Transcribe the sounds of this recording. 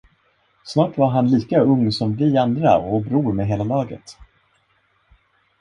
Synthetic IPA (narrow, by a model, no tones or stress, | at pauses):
snɑːʈvaɾɦanliːkaɵŋːsɔmvɪand̪ɾa̰ɔbɾuːɾmɛɦeːlalɑːɡə̰t̪